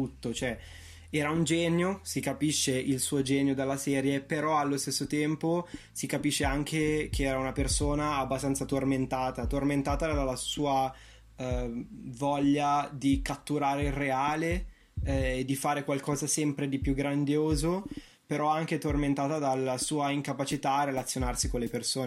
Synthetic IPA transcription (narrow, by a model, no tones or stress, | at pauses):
ut̪ːot͡ʃoɛ | ɛːɾaund͡ʒɛːnjosikapiʃːeʔilsuːod͡ʒɛːnjod̪alːasɛːɾjepeɾɔalːost̪esːot̪ɛmpo | sikapiʃːeaŋk̟ekeɛːɾaunapersoːnaːbːast̪ant̪sat̪orment̪aːt̪at̪orment̪aːt̪ad̪ad̪alːasuːa | vɔʎːad̪ikat̪ːuɾaːɾeilreaːleː | d̪ːifaːɾekwalkɔːzasɛmpɾed̪ipjuɡɾand̪joːzo | peɾɔaŋk̟et̪orment̪aːt̪ad̪alːasuːaiŋkapat͡ʃit̪aːrːelat̪sjonarsikonlepersoːne